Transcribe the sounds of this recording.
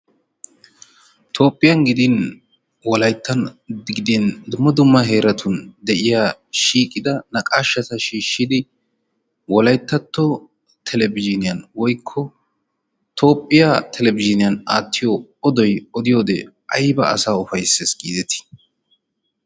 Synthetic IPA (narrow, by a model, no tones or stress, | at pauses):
t̪ʰo̞ːpʼːɪjɐnɡɪd̪ɪn | wɔlɐjt̪ʰːɐnɡɪd̪ɪnd̪ʊmːɐd̪ʊmːɐɦe̞ːɾɐt̪ʰʊnd̪ɛʔɪjaʃiːkʼːɪd̪ɐnɐkʼaːʃːɐt̪ɐʃiːʃːɪd̪ɪ | wɔlɐjt̪ːɐt̪ːɔ | t̪ʰɛlɛbɪd͡ʒɪnɪjɐnwɔjkʰːɔ | t̪ʰo̞ːpʼːɪjat̪ʰɛlɛbɪd͡ʒɪnɪjɐnaːt̪ʰːɪjoɔd̪ɔjɔd̪ɪjo̞ːd̪ɛʔɐjbɐɐ̰saːʊfɐjsːɛsɡiːd̪ɛt̪ɪ̥